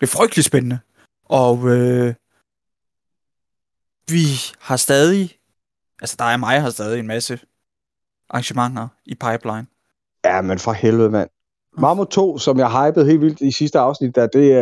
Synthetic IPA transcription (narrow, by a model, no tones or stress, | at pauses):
d̥e̝fʁœɡ̥d̥li̥sb̥enənə | ʔɒ̽ø | ʋihɑ̈sd̥ɛːð̞ˠi | ʔælsə̥d̥ɑ̈æɐmɑ̈ɪɦɑ̈sd̥ɛːð̞ˠie̝nmæsə | ʔɑ̈ŋɕəmɑ̈ŋ̰ɐipʰɑ̈ɪb̥lɑ̈ɪn | jæmenfʁɑ̈helʋð̩ˠmæn̰ | mɑ̈mot͡sʰo̝̰ːsɒ̽mjɑ̈ɦɑ̈ɪb̥əð̞̩ˠhe̝̰ːlʋild̥isisd̥əɑ̈ʊsnid̥æd̥e̝